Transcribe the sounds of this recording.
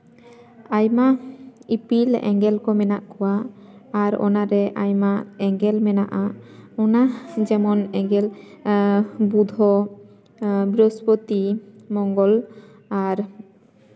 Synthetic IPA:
ajmaipilɛ̰ŋɡɛlkɔmɛnaʔkɔwaː | ɾɔ̰naɾɛʔajmaʔɛŋɡɛlmɛnaʔaɔnad͡ʒɛmɔnɛŋɡɛl | bud̪ʱɔ | bɾɔspɔt̪imɔŋɡɔl | aɾ

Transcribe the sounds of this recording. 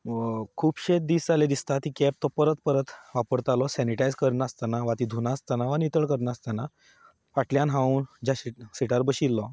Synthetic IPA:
kʰuːpɕed̪iːsd͡zaled̪ist̪at̪ikɛp̚t̪ɔpəɾət̪pəɾət̪ʋapəɾt̪alɔsɛniʈajd͡zkəɾnast̪anaʋat̪iːd̪ʱunast̪anaʋanit̪əɭkəɾnaast̪ana | faʈljãnɦãuːnd͡ʑaɕisiʈaɾbəɕilːɔ

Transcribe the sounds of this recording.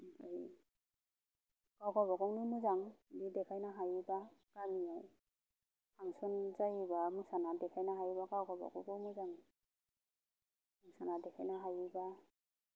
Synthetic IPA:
aj | kawɡɔbaɡɔŋnunuzaŋdidɛkʰajnaɦajibaɡ̥amiaj | tʰaŋsɔnzajibamusanadɛkʰajnaɦajbaɡawɡɔba̰ɡɔɡɔnuzaŋ | musanadɛkʰajnaɦajiba

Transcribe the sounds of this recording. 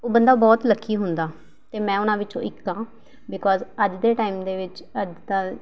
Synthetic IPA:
oːbənd̪aːbɔːt̪ləkʰːiːɦʊnd̪aː | t̪eːmɛ̃ːʊnãːʋɪt͡ʃõ̰ːʔɪkːãː | bɪkɔːzəd͡ʒd̪eːʈaːiːmd̪eːʋɪt͡ʃəd͡ʒd̪aː

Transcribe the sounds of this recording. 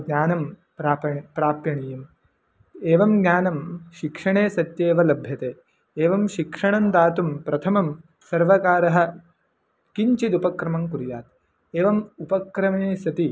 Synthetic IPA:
ɡnʲaːnɐm | pɾaːpɐpɾaːpjɐɳijɐm | eːʋɐmɡɲʲaːnɐmʃikʂɐɳeːsɐt̪jeːʋɐlɐbʱjɐt̪eː | eːʋɐmʃikʂɐɳɐnd̪aːt̪umpɾɐt̪ʰɐmɐm | sɐɾʋɐkaːɾɐɦɐ̆ | kiɲt͡ʃid̪upɐkɾɐmɐmkuɾjaːt̪̚ | eːʋɐmupɐkɾɐmeːsɐt̪i

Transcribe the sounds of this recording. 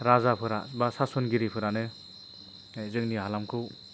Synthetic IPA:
ɾazapʰɯɾa̰basasɔnɡiɾipʰɯɾanɯ | zɯŋniɦalamkʰɯw

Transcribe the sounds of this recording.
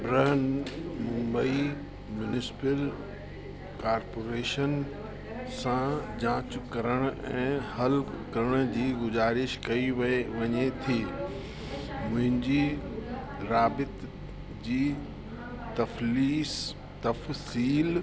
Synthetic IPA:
bɾəɦənmʊ̃mbəi | mjʊnɪsɪ̥pəl | kaːɾpoːɾeːʃən | sãd͡ʑãːt͡ɕʊkɐɾəɽ̃ʊɛ̃ːhɐlkɐɾəɽ̃d͡ʑiːɡʊzaːɾɪʃkɐiʋʋɐɲet̪ʰiː | mʊ̃ɦɪ̃ɲd͡ʑiː | ɾaːbɪt̪ | d͡ʑiː | t̪ɐfliːs | t̪ɐfsiːl

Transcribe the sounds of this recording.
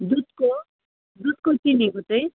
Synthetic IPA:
d̪ud̪ko | d̪ud̪̚kokiniɡʱot̪ej

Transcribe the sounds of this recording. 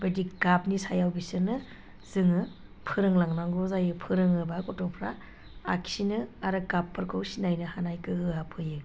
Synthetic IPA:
bediɡap̚nisajawbisɯnɯ | z̥ɯŋɯ | pʰɯɾɯŋlaŋnaŋɡɔzajɯpʰɯɾɯŋɯbakɔtɔpʰɾa̰ː | kʰsinɯaɾɯɡapʰːɯɾkʰɯwsinajnɯhanajkɯɯapʰɯjɯ

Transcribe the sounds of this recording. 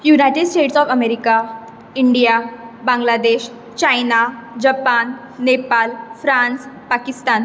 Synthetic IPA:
junajʈeɖsʈeʈsɔːfəmeɾika | iɳɖijabãŋɡlad̪eɕ | t͡ɕajnad͡ʑəpanː | epalfɾãnspakist̪an

